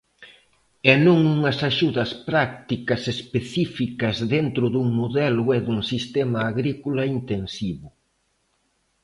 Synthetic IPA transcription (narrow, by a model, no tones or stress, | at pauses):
ɛnõŋuŋɐsaʃuðɐspɾak̚t̪ikɐsespeθifikɐzðent̪ɾʊðuŋmoðɛlʊɛðuŋsist̪ɛmɐːɣɾikulɐint̪ensiβʊ